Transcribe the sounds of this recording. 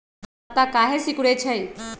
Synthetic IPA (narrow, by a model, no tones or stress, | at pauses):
t̪akaːɦesɪkʊɽet͡ʃʰəj